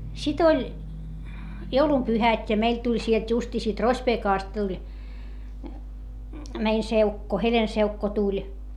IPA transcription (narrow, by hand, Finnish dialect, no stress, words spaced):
sit olʲ joulumpyhætʲ jɑ meil tulʲ sielt justiː siːt rospeːkɑˑst tulʲ mein seukːo helenseukːo tulʲ